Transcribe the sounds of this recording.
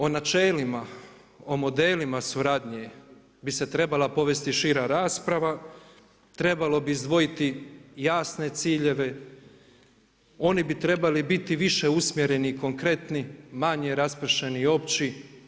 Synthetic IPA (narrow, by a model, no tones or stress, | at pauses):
o̞nat͡ʃeːlima | o̞mo̞d̪eːlimasuɾad̪ɲe | bise̞t̪ɾe̞balˠapo̞ʋe̞st̪iʃiːɾaɾaːspɾaʋa | t̪ɾe̞balo̞biːzd̪ʋo̞jit̪ijaːsne̞t̪siːʎe̞ʋe̞ | o̞nibit̪ɾe̞balibit̪iʋiʃe̞usmjeɾe̞niːko̞ŋkɾe̞t̪nimaɲeɾaspɾ̩ʃe̞nio̞pt͡ɕi